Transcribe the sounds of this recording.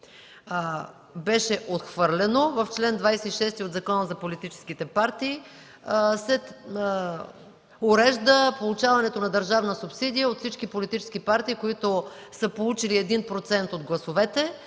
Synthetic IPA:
bɛʃɛʔot̪xvɤɾlɛnovɐft͡ʃlɛnd̪vajsɛiʃɛst̪iod̪zɐkɔnəzɐpolit̪it͡ʃɛ̥skit̪ɛpaɾt̪iː | sɛ | oɾɛʒd̪əpolˠut͡ʃavɐnɛt̪onɐd̪əɾʒavnəsupsid̪ijəot̪fsit͡ʃkipolit̪it͡ʃɛ̥sk̟ipaɾt̪iːkoit̪o | səpolˠut͡ʃiliɛd̪inpɾot̪sɛnt̪od̪ɡlˠɐsovɛt̪ɛ

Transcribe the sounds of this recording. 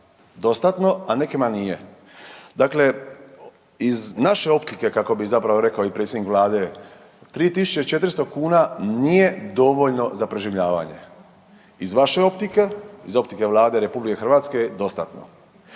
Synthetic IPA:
d̪o̞st̪at̪no̞anekemanije̞ | d̪akle̞ | iznaʃe̞o̞pt̪ike̞kako̞bizapɾaʋo̞ɾe̞kaoipɾet̪sʲjed̪nikʋlˠaːd̪e̞ | t̪ɾiːt̪isu̥t͡ʃe̞t͡ʃe̞t̪ɾst̪okuːnanije̞d̪o̞ʋo̞ʎno̞zapɾeʒiʋʎaːʋa̰ɲe̞̰ | izʋaʃe̞o̞pt̪ike̞izo̞pt̪ike̞ʋlˠaːd̪e̞ɾe̞publike̞xr̩ʋaːt̪skejd̪o̞st̪at̪no̞̰

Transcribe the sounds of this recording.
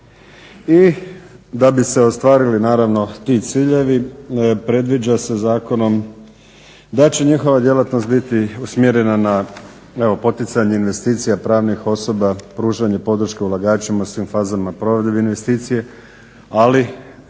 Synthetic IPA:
i | d̪abise̞ost̪ʋaːɾilinaːɾaʋno̞t̪it̪siːʎe̞ʋipɾe̞d̪ʋid͡ʒasezaːko̞no̞m | d̪at͡ɕe̞ɲixo̞ʋad̪je̞lat̪no̞st̪̚bit̪iusmjeɾenana | e̞ʋo̞po̞t̪it̪saɲeinʋe̞st̪iːt̪sijapɾaːʋnixo̞so̞bapɾuːʒaɲe̞po̞d̪ɾ̩ʃke̞ulˠaɡaːt͡ʃemausʋiːmfaːzamapɾo̞ʋed̪beinʋe̞st̪iːt̪sije̞ | ali

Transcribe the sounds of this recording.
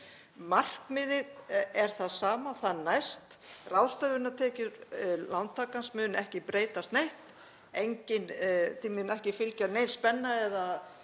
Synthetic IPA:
mar̥kmɪðɪɛɾ̥θaðsaːmaθaðnajst̪ | rawst̪œvʏɾnat̪ʰɛːcʏɾlant̪ʰːaːkansmʏnɛhcɪpɾeːjt̪ast̪nejht̪ | ejɲcɪnθimʏnɛhcɪfɪlcanejnspɛnːaɛða

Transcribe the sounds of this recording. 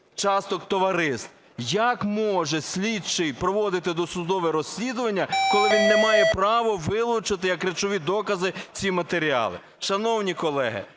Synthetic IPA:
t͡ʃɑst̪ɔkt̪ɔʋɐɾɪst̪ | jɐkmɔʒɛsʲlʲid̪̚t͡ʃɪjpɾɔʋɔd̪ɪt̪ɪd̪ɔsʊd̪ɔʋɛɾɔsʲlʲid̪ʊʋɐnʲːɐkɔlˠɪʋʲinːɛmɑjɛpɾɑʋɔʋɪlˠʊt͡ʃɪt̪ɪjɐkɾet͡ʃɔʋʲid̪ɔkɐzɪt͡sʲimɐt̪eɾʲiɑ̰lˠɪ̰ | ʃɐnɔwnʲikɔlˠɛɦɪ̰

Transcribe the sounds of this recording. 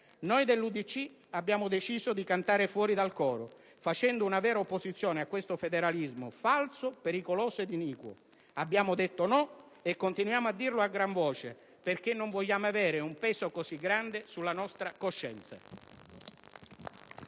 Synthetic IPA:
nojd̪elːud̪it͡ʃːi | abːjaːmʊd̪et͡ʃiːzod̪ikant̪aːɾefwɔːɾid̪alkɔːɾo | fat͡ʃɛnd̪ounavɛːɾaopːosit̪sːjoːneakːwest̪ofed̪eɾalizmo̰falsopeɾikoloːsoed̪iniːkwo̰ | abːjaːmʊd̪et̪ːonɔ | ekːont̪inwjaːmoad̪ːirloaɡːɾaɱvɔːt͡ʃe | perk̟enːoɱvoʎːaːmoavɛːɾɪumpɛːsokosiɡːɾand̪esulːanɔst̪ɾakoʃːɛ̰nt̪sa̰

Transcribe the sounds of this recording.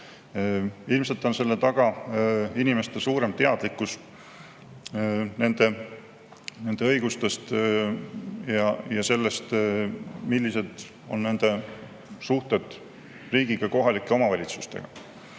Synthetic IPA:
ilmse̞lt̪ːˑo̞nse̞lːe̞t̪ɑɡ̥ɑ | inime̞st̪esuːɾe̞mt̪e̞ɑd̪̥likːˑus | ne̞nd̪̥e̞ | ne̞nd̪̥e̞ɤiɡ̥ust̪e̞st̪ | jɑjɑse̞lːe̞st̪ | milʲːise̞d̪̥ | o̞nːe̞nd̪̥e̞ | suht̪e̞d̪̥ | riːɡ̥iɡ̥ɑko̞ɦɑlikːˑe̞omɑvɑlʲit̪su̥st̪e̞̰ɡ̥ɑ̰

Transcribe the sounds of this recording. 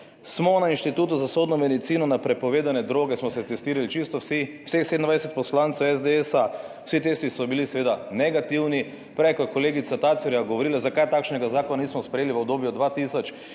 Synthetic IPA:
smɔnainʃt̪it̪uːt̪uzasod̪nɔmɛd̪it̪siːnɔnapɾɛpɔʋeːd̪anɛd̪ɾoːɡɛsmɔsɛt̪ɛst̪iːɾalit͡ʃist̪ɔwsiw̥sexsed̪nd̪ʋajsɛt̪pɔslant̪sɛwɛzd̪eɛsa | w̥sit̪est̪isɔbilisɛʋeːd̪anɛɡat̪iwni | pɾɛjkɔkɔleːɡit̪sat̪at̪sɛɾjaɡɔʋɔɾiːlazakajt̪aːkʃnɛɡazaːkɔnanismɔspɾejeliʋəɔbd̪oːbjɔd̪ʋat̪isɔt͡ʃ

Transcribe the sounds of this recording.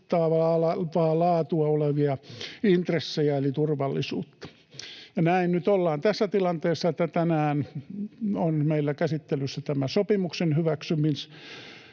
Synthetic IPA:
t̪ːɑːʋɑːlɑʋɑːlɑːt̪uɑoleʋiɑint̪resːejɑelit̪urʋɑlːisṵːt̪ːɑ̥ | jɑnæinnyt̪olːɑːnt̪æsːæt̪ilɑnt̪eːsːɑet̪ːæt̪ænæːn | onmeilːækæsit̪ːelysːæt̪æmæsopimuksenhyʋæksymis

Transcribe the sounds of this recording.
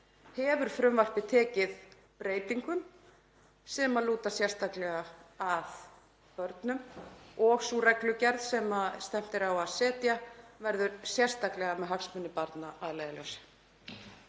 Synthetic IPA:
hɛːvʏɾ̥fɾʏmvar̥pɪt̪ʰɛːcɪð | pɾeːjt̪iŋkʏm | sɛmaðluːt̪asjɛrst̪aklɛɣaað | pœɾt̪nʏmɔɣsuːɾɛklʏcɛɾðsɛmast̪ɛm̥t̪ɪɾawaðsɛːt̪javɛɾðʏɾsjɛr̥st̪aklɛɣamɛðɦaksmʏnːɪpaɾt̪naaðleːjɣalœwsɪ̥

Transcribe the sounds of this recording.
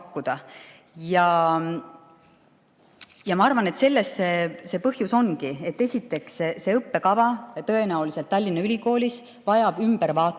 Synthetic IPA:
kːud̪̥ɑ | jɑ | jɑmɑɑrvɑne̞t̪se̞lːe̞st̪se̞se̞ːpɤhjuso̞nkie̞t̪ːe̞sʲit̪ːˑe̞ksese̞ɤpːe̞kɑvɑt̪ɤe̞næuliset̪ːɑlʲːinːɑylʲiko̞ːlʲis | vɑjɑb̥ymb̥eɾvɑːt̪ːˑ

